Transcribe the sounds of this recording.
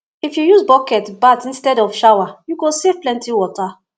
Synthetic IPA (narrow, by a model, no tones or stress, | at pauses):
ifjujuzbɔkɛtbatĩnstɛdɔfʃawajuɡosevplɛ̃ntiwɔta